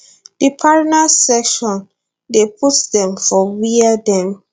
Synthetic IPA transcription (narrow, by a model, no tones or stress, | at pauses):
d̥ipʰaɹnasɛkʃɔ̃n | depʰutdɛ̃mfɔwiadɛ̃m